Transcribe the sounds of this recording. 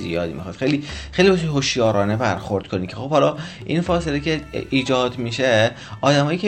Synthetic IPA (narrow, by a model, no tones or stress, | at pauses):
zḭjɒ̰ːd̪ḭmḭxɒːt̪xejliːxejlibeʃ̬ɦoʃjɒːɾɒːnebæɾxo̞ɾd̪̥kʰo̞niːcʰexo̞bhɒlɒː | ʔinfɒːse̞lecʰeiːd͡ʒɒːd̪miʃe | ɒːd̪æmɒːjiːcʲʰe